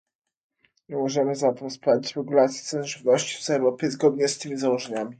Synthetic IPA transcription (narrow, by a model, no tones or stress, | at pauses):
ɲɛmɔʐɛmɘzat̪ɛmspalʲit͡ɕɾɛɡulat̪sʲjit̪sɛnʐɘvnɔɕt͡ɕi̥fsɛɾɔpʲɛzɡɔd̪̚ɲɛst̪ɘmʲizawɔʐɛɲamʲi